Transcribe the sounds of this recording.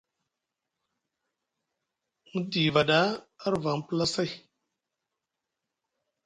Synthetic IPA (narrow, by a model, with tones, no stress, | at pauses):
mu˦di˨va˨ɗa˦a˦ɾva˨m˦pə˦la˦sa˦i˨